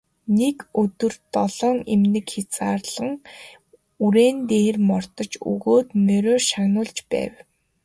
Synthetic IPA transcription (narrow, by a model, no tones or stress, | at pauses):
nekɵt̪ɵ̆rt̪ɔɮ̥ɔːŋemnɘ̆kxet͡saːrɮə̆ŋ | uɾeːnt̪eːrmɔr̥t̪ɞ̆t͡ɕṵɣoːt̪mœɾʲœːʃaɣnʊːɮt͡ɕpæ̰ːw